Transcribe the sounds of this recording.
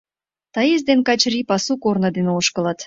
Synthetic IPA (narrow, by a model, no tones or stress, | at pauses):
t̪ɑjezd̪enkɑt͡ɕripɑsukornɤd̪enoʃkə̆lɑt̪